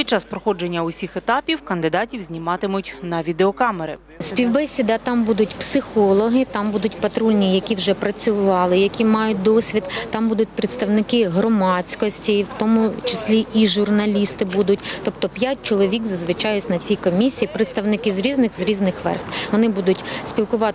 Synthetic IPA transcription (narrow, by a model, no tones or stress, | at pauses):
pʲit͡ʃːaspɾɔxɔd͡ʒenʲːɐʊsʲixet̪ɑpʲiwkɐnd̪ɪd̪ɑtʲiwzʲnʲimɑt̪ɪmʊtʲnɐʋʲid̪eɔkɑmeɾɪ̰ | sʲpʲiwbɛsʲid̪ɑt̪ɑmbud̪ʊtʲpsɪxɔlˠɔɦɪt̪ɑmbud̪ʊtʲpɐt̪ɾulʲnʲijɐkʲiwʒɛpɾɐt͡sʲʊʋɑlˠɪjɐkʲimɑjʊt̚ʲd̪ɔsʲʋʲid̪t̪ɑmbud̪ʊt̚ʲpɾɪt̪st̪ɐwnɪkɪɦrɔmɑt͡sʲkɔsʲtʲiwt̪ɔmʊt͡ʃɪsʲlʲiiʒʊrnɐlʲist̪ɪbud̪ʊtʲt̪ɔpt̪ɔpʲjat̚ʲt͡ʃɔlˠɔʋʲikzɐzʋɪt͡ʃɑjʊsʲnɐt͡sʲijkɔmʲisʲijipɾet̪st̪ɐwnɪkɪzɾʲiznɪxzɾʲiznɪxʋɛ̰rst̪ʋɔnɪbud̪ʊtʲsʲpʲilˠkʊʋɑt̪